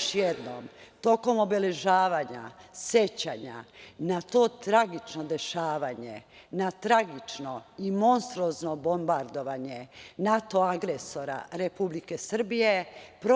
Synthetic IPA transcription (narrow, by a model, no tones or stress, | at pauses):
ʃjed̪no̰mt̪o̞ko̞mo̞bele̞ʒaːʋaɲa̰sje̞t͡ɕaɲa̰nat̪o̞ːt̪ɾaɡit͡ʃnod̪e̞ʃaːʋaɲe | nat̪ɾaɡit͡ʃno̞imo̞nst̪ɾuoznobo̞mbaɾd̪o̞ʋaɲe̞nat̪o̞aɡɾeso̞ɾa̰ɾepublike̞sr̩bije̞pɾo